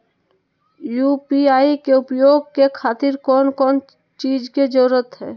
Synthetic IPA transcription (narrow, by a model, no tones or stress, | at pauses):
jupiaːikeʊpjoːɡ̚kekʰaːt̪ɪɾkɔːnkɔːn | t͡ʃiːd͡ʒked͡ʒəɾɾət̪ɦɛː